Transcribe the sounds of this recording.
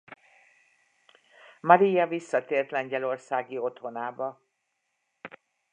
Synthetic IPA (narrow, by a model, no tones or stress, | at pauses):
mɒɾijɒvisːɒt̪eːrt̪lɛɲɟɛlo̞rsaːɡio̞t̪ho̞naːbɒ